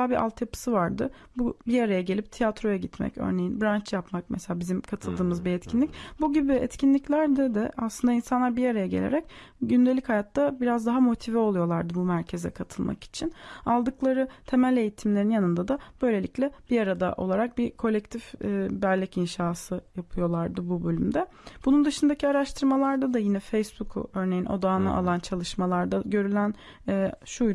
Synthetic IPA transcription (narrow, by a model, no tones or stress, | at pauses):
abiʔa̰lˠt̪japʰɯ̥sɯvaɾd̪ɯ̰ | bubiaɾajaɟe̞lʲip̚t̪ʰijat̪ɾo̞jaɟit̪mɛ̰cø̰ɾne̞jinbɾant͡ʃjapmak̚mɛselʲaːbizimkʰat̪ʰɯlˠd̪ɯːmɯzbiɛt̪cʰinlʲicbuɟibiɛ̰t̪cʰinlʲiclʲæɾd̪ɛd̪ɛaslˠɯnd̪ainsanlˠaɾbiaɾajaɟe̞̰lʲḛɾɛc | ɟynd̪eichajat̪ːabiɾazd̪aɦamo̞t̪ʰivɛo̞lˠujo̞lˠaɾd̪ɯbumæɾcʰezɛ̰kʰat̪ʰɯlˠmʔa̰ki̥t͡ʃʰinalˠd̪ɯklˠaɾɯt̪ʰe̞mælʲe̞jit̪ʰimlʲe̞ɾinjanɯnd̪ad̪ab̥ø̞jlʲeicʲlʲɛb̥iaɾad̪a̰ʔo̞̰lˠaɾak̚bikʰo̞lʲɛc̚t̪ʰifbæɾlʲːɛcinʃaːsɯjapʰɯjo̞lˠaɾd̪ɯbubø̞lʲymd̪ɛ | b̥unund̪ɯʃɯnd̪acʰiaɾaʃt̪ʰɯɾmalˠaɾd̪ad̪ajinɛfejsbukʰṵø̞ɾne̞jinʔo̞̰d̪aːnɯ̰ʔa̰lˠant͡ʃʰalˠɯʃmalˠaɾd̪aɟø̞ɾylʲæn | ɛːʃuj